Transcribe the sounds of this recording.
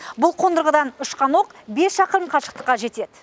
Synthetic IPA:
bʊlˠqʰo̞nd̪əɾʁəd̪ɑnʏʃqʰɑno̞qbe̞sʃɑqəəmqʰɑʃə̥qt̪əqːɑʒe̞t̪e̞d̪ɪ

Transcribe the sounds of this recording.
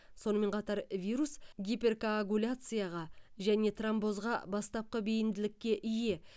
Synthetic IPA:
so̞nəme̞ɴqʰɑt̪ɑɾvʲijɾusɡʲipʲe̞rkoaɡulʲat̪sɨjaʁɑʒæne̞t̪rambo̞zʁɑ̰bɑst̪ɑp̚qəbe̞jɪnd̪ɪlɪkʲːe̞ʔɪje̞

